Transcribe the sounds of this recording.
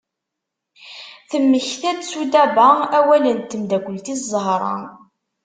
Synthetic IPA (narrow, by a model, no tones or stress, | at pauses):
θəmːəçθæd̪sud̪æbææwælənt̪ːəmd̪ækʷːəlt̪iszˤəɦɾˤɑ̰